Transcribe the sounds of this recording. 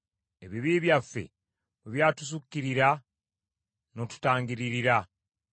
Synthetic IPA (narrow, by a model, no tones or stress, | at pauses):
e̞βiβiːβjafːe̞̰ | βeβjaːtus̬ukːiɾiɾa | no̞tu̥taːŋɡiɾiɾiɾa